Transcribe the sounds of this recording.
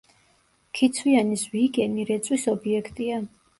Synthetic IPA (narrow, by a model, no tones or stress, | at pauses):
kʰit̪sʰwianisviɡɛniɾɛt̪sʼwisɔbiɛkʰt̪ʼia